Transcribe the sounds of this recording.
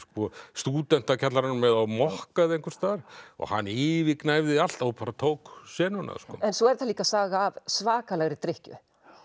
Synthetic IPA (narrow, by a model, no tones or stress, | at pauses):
skɔst̪uːt̪ɛn̥t̪acʰat̪laɾanmɛðawmɔhkaðɪejŋkʰvʏɾ̥st̪aːɾ̥ɔ̰ɣha̰nːiːvɪknaːjvðɪal̥t̪awpʰaɾat̪ʰowksɛːnʏna̰skɔ̰ːɛnsɔɛɾ̥θaliːkasaːɣaːvsvaːkalɛɣɾɪt̪ɾɪhcʏ̰